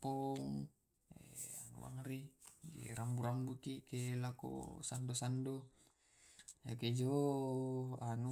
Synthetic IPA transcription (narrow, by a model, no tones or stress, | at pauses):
poŋ | ḛanṵwa̰ŋɾiɡḛɾambuɾambukikelako̰sandosando | jaked͡ʒo | anu